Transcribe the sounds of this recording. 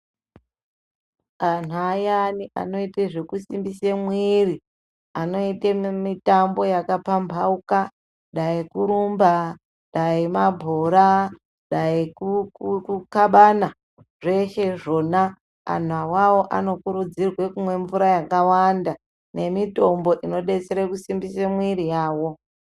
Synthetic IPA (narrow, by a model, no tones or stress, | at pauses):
an̤uajaniʔa̰no̞iteʐekusimbisemwiri | ano̞itemitambo̞jakapambʱauka | ɗaikuɾumba | ɗaimabʱoɾa | ɗaikukukaɓana | ʐe̞ʃeʐo̞na | a̰n̤awawo̞ʔa̰no̞kuɾud͡zirwe̞kumwe̞ɱvuɾajakawanda | ne̞mito̞mbo̞ʔino̞ɗe̞t͡seɾekusimbise̞mwiɾijaːwo̞